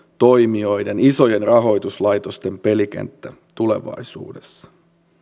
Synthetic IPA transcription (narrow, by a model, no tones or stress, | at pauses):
t̪o̞jmio̞jdeniso̞jenrɑɦo̞jt̪uslɑjt̪o̞st̪e̞mpe̞lik̟ḛnt̪ːæt̪ule̞̰ʋɑ̰jsṵːdesːɑ̥